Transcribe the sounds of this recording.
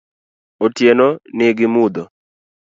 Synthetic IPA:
otjenɔnɪɡɪmud̪ɔ

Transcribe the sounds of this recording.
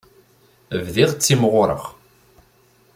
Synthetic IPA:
vðiʁt͡sːimʁʊɾˤə̰ʁ

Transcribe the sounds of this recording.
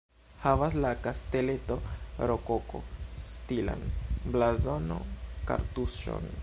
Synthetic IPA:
havaslakaste̞le̞toɾokoko̞̰stila̰nblazo̞no̰ka̰ɾtusʃo̰n

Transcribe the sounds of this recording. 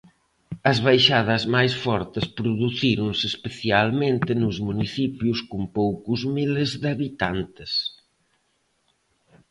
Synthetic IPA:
ɐzβajʃaðɐzmajsfɔɾt̪ɪspɾuðuθiɾʊŋseːspeθjalmẽnt̪ɪnʊzmuniθipjuskumpowkuzmilezðaβit̪ant̪ɪs

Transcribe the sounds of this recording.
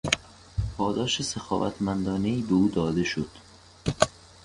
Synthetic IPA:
pʰɒːd̪ɒːʃesexɒ̰ːvæ̰t̪ʰmænd̪ɒːne̞iːbeuːd̪ɒːd̪e̞ʃod̪̥

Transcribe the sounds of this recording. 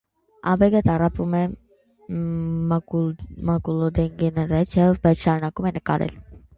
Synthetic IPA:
ɑ̰bɛɡət̪ɑrɑpumɛ | mɑkulɔd̪ɛnɡɛnɛɾɑt͡sʰjɑbɑjt͡sʰʃɑɾunɑkumɛnəkɑ̰ɾɛ̰l

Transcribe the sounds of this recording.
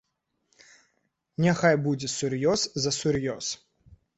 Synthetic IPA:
nʲɛxajbud͡zʲɛsurjɔszɐsʲuɾjɔs

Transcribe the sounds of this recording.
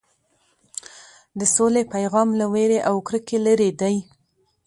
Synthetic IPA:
d̪əsolepajɣɑmlaweɾeʔawkɾəkeləɾed̪aj

